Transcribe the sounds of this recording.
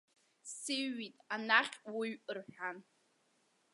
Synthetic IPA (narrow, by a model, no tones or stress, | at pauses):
sɨɥːitʼanaχʲwiɥʔʼɨrħʷᶣan